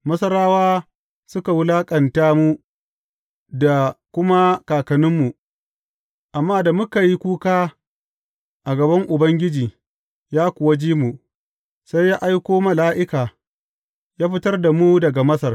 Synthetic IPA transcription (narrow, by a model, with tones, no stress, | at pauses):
mɐ˦sɐ˦ɾaː˦waː˦ | sʊ˦ka˨wʊ˦laː˦kʼɐ˨ntaː˦mu˦ | da˨kʷʊ˦ma˦kaː˨kɐ˨nʊ˦mːu˨ | ʔa˨mːaː˦da˨mʊ˦ka˨ji˦kʷuː˦kaː˦ | ʔa˨ɡɐ˨bɐ˦ŋʔʊ˨bɐ˦ŋɡʲɪ˦d͡ʒiː˨ | jaː˦kʷʊ˨wa˦d͡ʒiː˦mu˨ | sa˦jːaː˦ʔa˦jkʷoː˦mɐ˨laː˦ʔɪ˦kaː˨ | jaː˦ɸɪ˦tɐ˦rda˨mu˦dɐ˨ɡa˨mɐ˦sɐ˨r